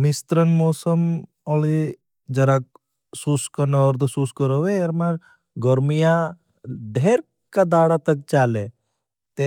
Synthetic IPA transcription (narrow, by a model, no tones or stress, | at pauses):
mist̪ɾənmɔːsəm | ɔli | d͡ʒɐɾak̚ | suskənaəɾd̪suskəɾoʋeeɾmaɾ | ɡɔɾmija | ɖʱeːɾ | kad̪aːɽat̪ək̚t͡ʃaːle | t̪e